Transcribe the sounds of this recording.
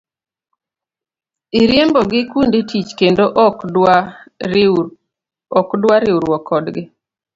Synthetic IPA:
iɾjembɔɡɪkunditʰit͡ʃkendoʔ | ɔkdwaɾɪuɾwɔkʰːɔdɡɪ

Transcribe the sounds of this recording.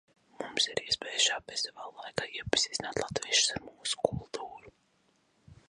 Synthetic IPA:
mumsiɾiɛspɛːjʃaːbɛzavaːlˠajkaːiɛpːi̥sizʲnaːt̪lˠat̪viɛʃu̥saɾmuːsu̥kulˠt̪ʰuːɾu

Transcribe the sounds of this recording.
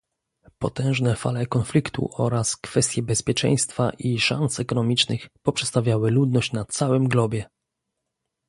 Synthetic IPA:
pɔt̪ɛ̃w̃ʐnɛfa̰lɛkɔnflʲikt̪ṵʔɔɾaskfɛst̪ʲjɛbɛspʲjɛt͡ʂɛ̰̃j̃st̪fa̰ʔiʂa̰nsɛkɔnɔmʲit͡ʂnɘ̰xpɔpʂɛtst̪avʲjawɘlud̪nɔɕt͡ɕnat̪sawɘmɡlɔbʲjɛ

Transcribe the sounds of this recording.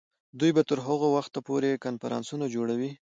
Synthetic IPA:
d̪ujbat̪əɾɦəɣowaxt̪apoɾekanfaɾɑ̰nsunad͡ʒoɽawi

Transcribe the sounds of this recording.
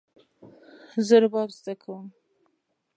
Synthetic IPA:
zəɾbɑbzd̪akʰawəm

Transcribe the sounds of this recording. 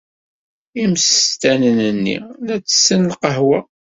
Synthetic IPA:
imst̪ænənənːḭlæt͡sːə̥sːənlqəɦwæ

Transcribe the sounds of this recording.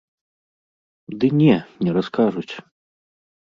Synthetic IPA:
d̪ɨnʲɛnnʲɛɾaskaʐut͡sʲ

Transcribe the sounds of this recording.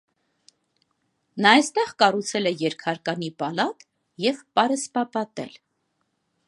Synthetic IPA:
nɑɑst̪ɛʁkɑrut͡sʰɛlɛjɛɾkʰɑɾkɑnipɑlɑt̪ | jɛvpɑɾəspɑpɑt̪ɛ̰l

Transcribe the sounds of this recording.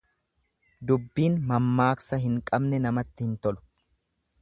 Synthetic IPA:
d̪ʊbːiːnmɐmːaːksɐɦɪŋkʼɐbnɛnɐmɐt̪ːɪhɪnt̪ɔlʊ̥

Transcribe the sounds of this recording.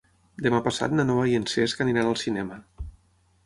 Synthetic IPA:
d̪əmapəsa̰t̪̚nanoβajenseskaninanəlˠsinɛmə

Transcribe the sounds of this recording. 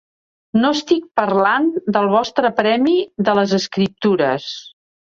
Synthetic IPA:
noəst̪ik̚pərland̪əlˠβɔst̪ɾəpɾɛmiðələzəskɾip̚t̪uɾəs

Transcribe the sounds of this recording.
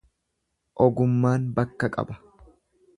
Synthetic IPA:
ʔɔɡʊmːaːnbɐkːɐkʼɐ̰bɐ̥

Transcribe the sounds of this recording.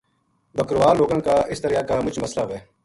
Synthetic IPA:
bəkɾʋaːloːɡãːkaːɪst̪əɾijaːkaːmʊt͡ʃməslaːʋeː

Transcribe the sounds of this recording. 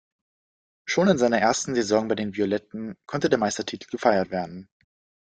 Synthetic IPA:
ʃoːnɪnzaɪnɐʔeːɐstn̩zezɔŋbaɪdeːnviolɛtn̩kʰɔntədeːɐmaɪstɐtʰiːtʰl̩ɡəfaɪɐtv̥eːɐdn̩

